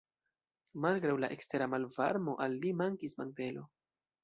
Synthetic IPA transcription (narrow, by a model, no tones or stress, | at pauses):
malɡɾawlaʔekste̞ɾamalva̰ɾmo̞ʔalːimaŋkismante̞lo